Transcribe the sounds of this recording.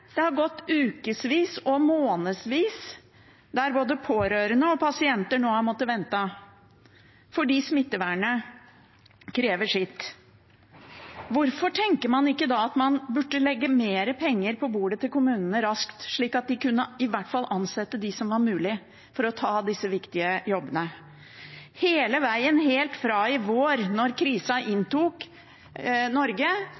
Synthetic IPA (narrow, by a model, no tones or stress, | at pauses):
d̪̥ɛhɑɾɡɔt̪ːʉːkəsʋiːsɔmoːnəsʋiːs | d̪æɾboːd̪əpʰoːɾøːɾənəɔpʰɑsɪɛnt̪əɳoːhɑmɔt̪ːəʋɛnt̪ə | fɔɖiːsmɪt̪ːəʋæɳə | kʰɾeːʋəʂɪt̪ː | ʋʊɾfɔʈʰɛŋkəmɑnɪkːəd̪ɑːɑt̪mɑnbʉʈːəlɛɡːəmeːɾəpʰɛŋːəɾpʰɔbuːɖət̪ɪlkʊmʉːnənəɾɑskt̪ʂɭiːkɑt̪̚d̪ɪkʉnːəɪʋæʈːfɑlːʔɑnsɛt̪ːəd̪ɪsɔmʋɑɾmʉːlɪ | fɔɾɔt̪ʰɑːd̪ɪsːəʋɪkt̪ɪəjɔbənə | heːləʋæɪənɦeːlt̪fɾɑːɪʋoːɾnɔɾkʰɾiːsɑʔɪnt̪uːk | nɔɾɡə